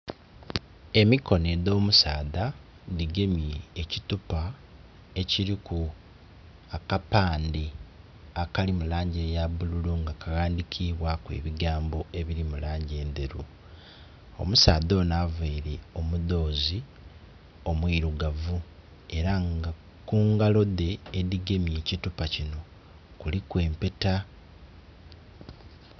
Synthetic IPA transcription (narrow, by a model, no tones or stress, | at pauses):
e̞miko̞ne̞do̞ːmusaːda | diɡe̞mieecitupa | e̞ciɾiku | akapaːndi | akalimulaːɲɟejabululuŋɡakaɣaːndikʰiβwakwḛːβiɡaːmbo̞e̞βiɾimulaːɲɟe̞ːnd̪eɾu | o̞̰musaːdo̞ːnaːveiɾeo̞muðo̞ːzi | o̞mwiɾuɡavu | e̞ɾaŋɡa | kuːŋɡalo̞de̞ːdiɡe̞mje̞ːcitupacino̞ | kulikwe̞ːmpe̞ta